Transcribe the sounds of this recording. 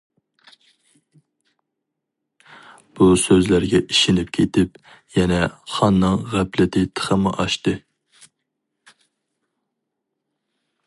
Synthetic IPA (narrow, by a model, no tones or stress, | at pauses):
b̥usøzlæɾɡʲɛiʃɪnɪp̚kʲʰet̪ʰɪp | jɛnɛχɑnːɨŋʁæplɪt̪ʰɪt̪ʰə̥χəmɨʔɑʃt̪ɨ